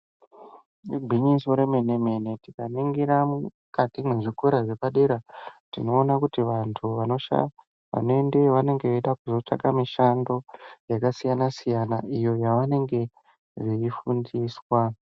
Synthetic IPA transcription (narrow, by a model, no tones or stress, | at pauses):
riɡʱiɲisoɾe̞meneme̞ne̞tikaniŋɡiɾamu | katimweʐikeɾaʐe̞paɗeɾatino̞ːnakutiʋantʰuʋano̞ʃa̰ | ʋa̰noende̞ʋane̞ŋɡeeɗakuzo̞t͡ʂa̰kamiʃando̞jakasijanasijana̰ʔijo̞jaʋane̞ŋɡe̞ | ʐiifundiːswa